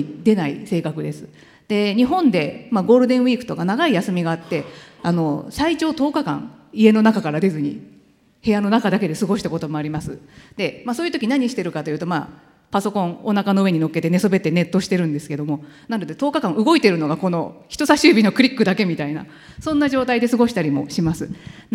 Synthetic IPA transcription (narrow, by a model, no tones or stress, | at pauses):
d̪e̞naḭse̞ːkakɯ̟d̪e̞sɨ̥ | d̪̥e̞ɲ̟iɦõ̞nd̪e̞maɡo̞ːɾɯ̟d̪ẽ̞ɰ̃βiːkɯ̟̥t̪o̞kanaɡaijasɨmʲiɡaːt̪ːe̞ano̞sait͡ɕo̞ːt̪o̞ːkakã̰ŋ | ie̞no̞nakakaɾad̪e̞zɨɲ̟ḭ | he̞jano̞nakad̪ake̞d̪e̞sɨɡo̞ɕi̥t̪ako̞t̪o̞mo̞aɾʲimasɨd̪̥e̞masoːjɯ̟t̪o̞kʲinaɲ̟iɕi̥t̪e̞ɾɯ̟kat̪o̞jɯ̟ːt̪o̞ma̰ː | paso̞kõ̞ɴ̃onakano̞ɯ̟e̞ɲ̟ino̞kːe̞t̪e̞ne̞sobe̞t̪e̞ne̞t̪ːo̞ɕi̥t̪e̞ɾɯ̟̃nd̪e̞sɨ̥ke̞d̪o̞mo̞ | nãnd̪ot̪et̪o̞ːkakãɰ̃ɯ̟ɡo̞it̪e̞ɾɯ̟no̞ɡako̞no̞̰çi̥t̪o̞saɕɨːbʲinokɯ̟ɾʲikːɯ̟d̪ake̞mʲit̪aina̰ | sõ̞nːaʑo̞ːt̪aid̪e̞sɨɡo̞ɕi̥t̪aɾʲimo̞̰ɕimasɨ